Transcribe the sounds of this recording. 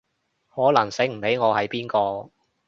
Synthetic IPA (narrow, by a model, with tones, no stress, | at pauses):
hɔː˨˥lɐ˨˩ŋse˨˥m̩˨˩pe˨˥jŋɔː˨˧hɐ˨jpiː˥nkɔː˧